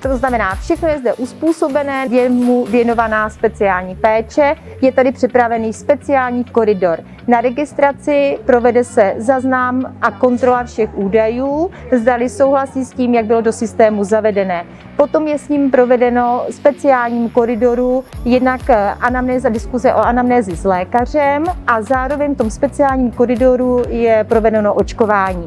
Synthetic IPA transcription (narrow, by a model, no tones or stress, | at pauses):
t̪oznamɛnaːfʃɛxno̞jɛzdɛʔuspuːso̞bɛnɛːvjɛmuvjɛno̞vanaːspɛt͡sɪaːlɲiːpɛːt͡ʃɛ | jɛt̪adɪpr̝̥ɪpɾavɛniːspɛt͡sɪaːlɲiːko̞ɾɪdo̞ɾ | naɾɛɡɪst̪ɾat͡sɪpɾo̞vɛdɛsɛzaznamʔako̞nt̪ɾo̞lafʃɛxʔuːdajuːzdalɪso̞wɦlasiːsciːmjaɡ̚bɪlodo̞sɪst̪ɛːmuzavɛdɛnɛː | po̞t̪o̞mjɛsɲiːmpɾo̞vɛdɛno̞spɛt͡sɪaːlɲiːmko̞ɾɪdo̞ɾujɛdnakʔanamnɛːzadɪskuzɛʔoʔanamnɛːzɪzlɛːkar̝ɛmʔazaːɾo̞vɛɲft̪o̞mspɛt͡sɪaːlɲiːmko̞ɾɪdo̞ɾujɛpɾo̞vɛdɛnoʔot͡ʃko̞vaːɲiː